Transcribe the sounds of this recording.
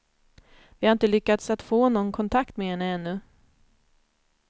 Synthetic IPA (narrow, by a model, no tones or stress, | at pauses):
vɪhaɾɪnt̪əlʏkːat̪sat̪foːnɔnːkʰɔnt̪ʰakt̪mɛhɛnːəɛnːɵ